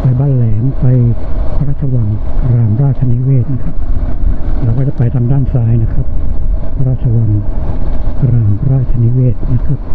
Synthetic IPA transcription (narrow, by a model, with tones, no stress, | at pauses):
pa˧jbaː˧˥˨nlɛː˩˦mpa˧jpʰa˧ɾaː˥˩t̪t͡ɕʰa˧wa˧ŋkɾaː˧˩mɾaː˥˩t̪̚t͡ɕʰa˧ni˦˥weː˥˩t̪̚na˦˥kʰɾa˦˥p̚ | ɾɛː˧˦˩waː˥˩t͡ɕa˧˩pa˧jt̪ʰaː˧mdaː˥˩nsaː˧jna˦˥kʰɾa˦˥p̚pʰa˧ɾaː˥˩t̪̚t͡ɕʰa˧wa˧n | kɾaː˧˩mʰɾaː˥˩t̪̚t͡ɕʰa˧ni˦˥weː˥˩t̪̚na˦˥kʰɾa˦˥p̚